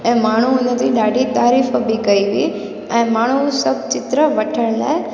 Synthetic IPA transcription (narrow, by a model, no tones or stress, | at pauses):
ɛ̃ːmaːɳ̤̃uʊnət̪iɗaːɖʱit̪aːɾiːfbʱikɐiʋi | ɛ̃ːmaːɳ̤̃usɐb̚t͡ɕɪt̪ɾəʋɐʈʰəɽ̃la̰ːe